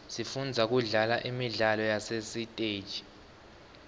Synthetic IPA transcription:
sifund͡zʱak̬uɮalaʔimiɮalɔjasesitʼe̥ːʒ̥ʱi̥

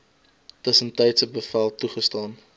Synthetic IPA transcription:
təsəntəjtsəbəfælˠtuχəstɑːn

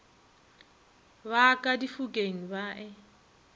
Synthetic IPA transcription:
βakʼadifukʼeŋ̩baʔɛ

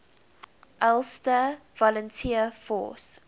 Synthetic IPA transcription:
ʔɛlˠstəvɔləntʰiəfɔ̰ːs

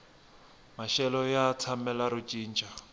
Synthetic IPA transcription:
maʃɛlɔjat͡sʰamɛlaɾut͡ʃʼiːnd͡ʒʱʼa

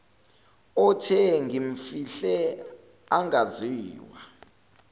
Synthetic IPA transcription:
ɔtʰɛŋɡiɱ̩fiɬɛ | aŋɡʱaziːwa

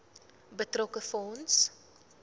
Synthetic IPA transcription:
bətrɔkəfɔns

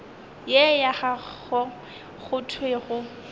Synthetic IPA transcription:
jɛjaχa | ɔ | ɣʊtʰweɣʊ

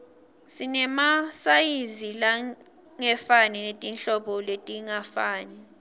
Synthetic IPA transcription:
sinɛmasajizila | ŋɛfaninetʼinɬɔɓɔletʼiŋafaːni

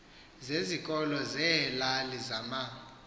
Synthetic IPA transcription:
zezikʼɔlɔzɛlalizama

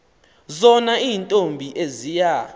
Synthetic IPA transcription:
zɔnaiːntʼombʱiʔezija

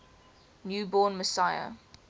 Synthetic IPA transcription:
njuːbɔːnməsaɪə̰

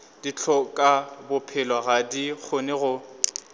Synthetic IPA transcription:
d̥it͡ɬʰɔkʼabʊpʰɪlwaɣadik͡xʰonɪɣʊ

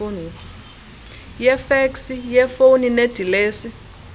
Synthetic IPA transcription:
onu | jɛfeksijɛfonined̥ʱileːsi

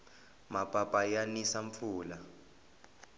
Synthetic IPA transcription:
mapʼapʼajanisaɱp̪fuːla

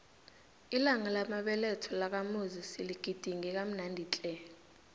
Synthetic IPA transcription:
ilaŋalamaɓɛlɛtʰɔlak̬amozisiliɡ̥ʱid̥ʱiŋɛk̬am̩nandʱit͡ɬʼɛ

